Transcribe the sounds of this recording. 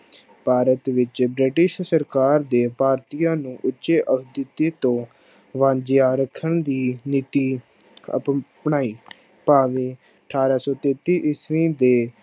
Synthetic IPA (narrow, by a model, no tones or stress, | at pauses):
paːɾət̪ʋɪt͡ʃbɾɪʈɪʃsəɾkaːɾd̪eːpaːɾt̪ijãːnũːʔʊtːʃeːʔəkʰd̪ɪt̪ːiːt̪õː | ʋãːd͡ʒjaːɾəkʰːəɳd̪iːnit̪iː | ə̰ppɳaːiː | paːʋeː | əʈʰaːɾaːsɔːt̪eːt̪ːiːʔɪsʋĩːd̪eː